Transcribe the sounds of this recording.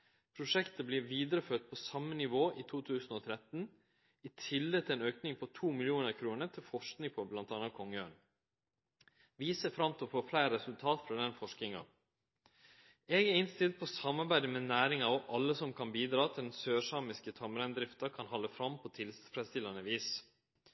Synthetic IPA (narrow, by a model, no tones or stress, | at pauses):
pʰɾʊʂɛkt̪əbliːɾʋiːd̪əɾəføːʈ̚pʰɔsɑmːənɪʋoːʔiːt̪ʰuːt̪ʰʉːsn̩ɔːt̪ʰɾɛt̪n̩ | it̪ʰɪlːɛət̪ʰɪlɛeːnøːknɪŋpʰɔt̪ʰuːmɪlɪuːnəɾkʰɾuːnət̪ʰɪlfɔʂknɪŋpʰɔblɑnt̪ɑnɑkʰɔŋəøːɳ | ʋiːsəfɾɑmt̪ʰɔfoːflæɪɾɾɛsʉlt̪ʰɑːt̪fɾɑd̪ɛnfɔʂknɪŋɑ̰ | ɛɡæɪnst̪ɪlt̪̚pʰɔsɑmːɑɾbæɪd̪əmɛnæːɾɪŋɑɔʔɑlːəsɔmkʰɑnbiːd̪ɾɑːt̪ʰɪld̪ɛnsøːʂɑːmɪskət̪ʰɑməɾɛnd̪ɾɪft̪ɑkʰɑnɦɑlːəfɾɑmpʰɔt̪ʰɪlfɾɛst̪ɪlɑnəʋiːs